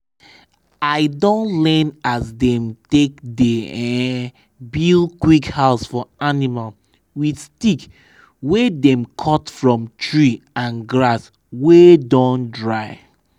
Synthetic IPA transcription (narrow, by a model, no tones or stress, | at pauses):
aɪdõntlɛnasdɛ̃mtekdeɛ | bilkwikhaʊsfɔanimal | widstik | wedɛ̃mkʰɔtfɹɔ̃mtʰɹi | ãnɡɹas | wedõndɹaɪ